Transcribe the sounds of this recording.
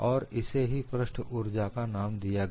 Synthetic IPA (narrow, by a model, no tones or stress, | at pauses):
ɔːɾɪseɦipɾəʃʈʰʊɾd͡ʒakanaːmd̪ija